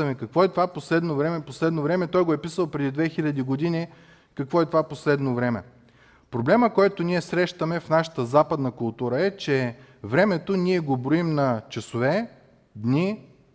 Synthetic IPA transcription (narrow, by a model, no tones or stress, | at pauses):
ɐmɛkɐkvɔɛt̪ovaposlɛd̪novɾɛmɛposlɛd̪novɾɛmɛt̪ɔjɡoɛpisəlˠpɾɛd̪id̪vɛxilʲɐd̪iɡod̪ini | kɐkvɔɛt̪ovaposlɛd̪novɾɛmɛ̰ | pɾoblɛməkɔjt̪oniɛsɾɛʃt̪əmɛfnaʃə̥t̪əzapəd̪nɐkʊlˠt̪uɾəɛt͡ʃɛ | vɾɛmɛt̪oniɛɡobɾoimnɐt͡ʃɐsovɛ | d̪ni